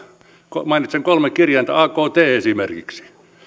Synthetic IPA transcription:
komɑinit̪seŋkolmekirjɑint̪ɑ̰ɑːkoːt̪eːesimerkḭksi̥

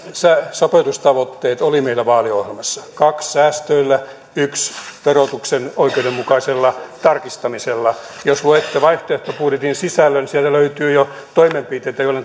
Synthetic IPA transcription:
sæsopet̪ust̪ɑʋot̪ːeːt̪olimeilːˑæʋɑːliohelmɑsːɑ̥kɑkssæːst̪øilːæ | yksʋerot̪uksenoikeudemmukɑiselːɑt̪ɑrkist̪ɑmiselːɑjosluet̪ːeʋɑiht̪oeht̪opuːret̪insisælːønsielt̪æløyt̪yːjo | t̪oimempit̪eit̪æjoilːen

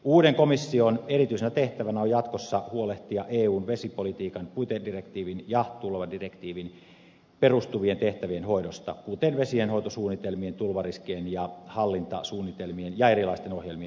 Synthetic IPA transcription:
uːdeŋkomisːionerit̪yisenæt̪eht̪æʋænæojɑt̪kosːɑhuoleht̪iɑʔeːuːnʋesipolit̪iːkɑnpuit̪edirekt̪iːʋinjɑt̪ulʋɑdirekt̪iːʋin | perust̪uʋient̪eht̪æʋienhoidost̪ɑkut̪enʋesienho̞it̪osuːnːit̪elmient̪ulʋɑriskeenjɑhɑlːint̪ɑ̰suːnːit̪elmienjɑerilɑist̪enohjelmien

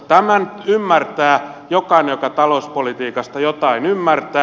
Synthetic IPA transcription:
t̪æmænymːært̪æːjokɑinejokɑt̪ɑlouspolit̪iːkɑst̪ɑjot̪ɑinymːært̪æː

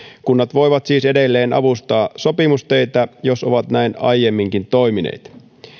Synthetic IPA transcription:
kunːɑt̪ʋo̞jʋɑt̪siːse̞delːeːnɑ̰ʋust̪ɑːso̞pimust̪ø̞jt̪æjo̞so̞̰ʋɑt̪næinɑ̰jjemːiŋkint̪o̞jminḛːt̪

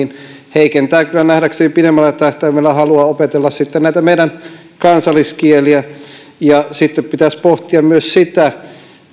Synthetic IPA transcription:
in | heikent̪æːkylːænæhdæksenipiɾemːælːˑæt̪æht̪æːmælːæhɑluɑopet̪elːɑssit̪ːennæˑit̪æmeijdæn | kɑnsɑlːˑiskieliæ | jɑsit̪ːeppit̪æspoht̪iɑmmyøssit̪æ

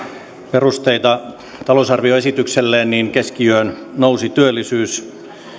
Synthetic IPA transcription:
perust̪eit̪ɑ | t̪ɑlousɑrʋioesit̪ykselːeːnniːnkeskiøøːn | nousit̪yølːisyːs

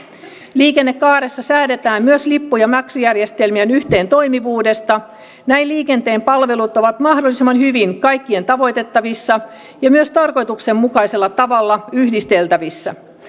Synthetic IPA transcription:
liːkenːekːɑːɾesːɑsæːde̞t̪æːmmyøslipːujɑmæksyjærjest̪elmiænyçt̪e̞ːnt̪o̞jmiʋuːde̞st̪ɑ | næiliːke̞nt̪e̞ːmpɑlʋe̞lut̪oʋɑt̪mɑhdolːˑisimːɑnhyʋinkɑjkːie̞nt̪ɑʋo̞jt̪e̞t̪ːɑʋisːɑ | jɑmyøst̪ɑrko̞jt̪ukse̞mmukɑjse̞lːɑt̪ɑʋɑlːɑyhdist̪e̞lt̪æʋisːæ̰

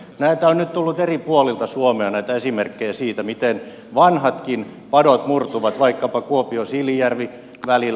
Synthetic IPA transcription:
næit̪æonnyt̪t̪ulːut̪eripuolilt̪ɑsuomeɑnæit̪æesimerkːejæsiːt̪æmit̪en | ʋɑnhɑt̪kin | pɑdot̪murt̪uʋɑt̪ʋɑikːɑpɑkuopiosilːijærʋi | ʋælil

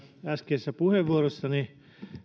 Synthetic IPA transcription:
æskeːsːæpuheʋːuorosːɑni

